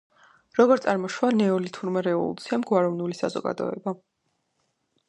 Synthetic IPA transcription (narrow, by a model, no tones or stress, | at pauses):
ɾɔɡɔɾt̪sʼaɾmɔʃwanɛɔlit̪ʰuɾmɛɾɛɔ̰lṵt̪sʰiamɡwaɾɔvnulisa̰zɔ̰ɡa̰d̪ɔ̰ɛ̰ba